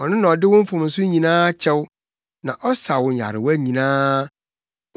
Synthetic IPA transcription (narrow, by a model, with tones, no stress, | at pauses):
ɔ˨nʊ̃˦nã˨ɔ˨dɪ˦wʊ̃˦m̩˦fʊ̃˨mn̩˨sʊ˦ɲĩ˨nãː˦t͡ɕʰɛ˦w | nã˨ʔɔ˦sa˨wʊ̃˨ɲ˨a̰˨ɾɪ̰˨wæ˦ɲĩ˨nãː˦